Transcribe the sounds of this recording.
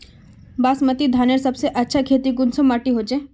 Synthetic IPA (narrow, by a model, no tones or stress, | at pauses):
baːsmət̪id̪ʱaːneɾsɐbseʔɐtːʃʰakʰeːt̪iɡʊnsomaːʈiɦoːd͡ʒe